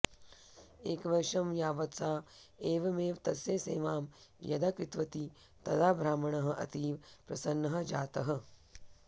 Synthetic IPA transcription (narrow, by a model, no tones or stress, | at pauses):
eːkʋɐɾʃɐmjaːʋɐt̪saːeːʋɐmeːʋt̪ɐsjesḛːʋaːmjɐ̰d̪ɐkit̪ʋɐt̪i | t̪ɐd̪aːbʱɾaːmɐɳɐɦɐ̆ʔɐ̰t̪iːʋpɾɐsɐnːɐɦɐ̆d͡ʒaːt̪ɐɦɐ̆